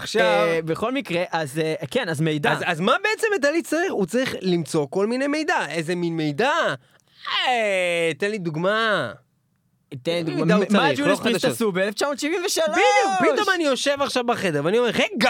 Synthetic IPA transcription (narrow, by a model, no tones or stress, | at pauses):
aχʃavbeχo̞lmikʁeʔazekenazmejd̪aazazmabe̞et͡semet̪̬alit͡saʁiχut͡saʁiχlimt͡so̞ko̞lminejme̞jd̪aʔezeminme̞jda | t̪enlid̪uɡma | t̪enid̪uɡdamad͡ʒusasubeeleft͡ʃamoːt̪ʃivimveʃalbidjukpitomanijo̞ʃe̞vaχʃavbaχedeveanio̞meʁʁeɡ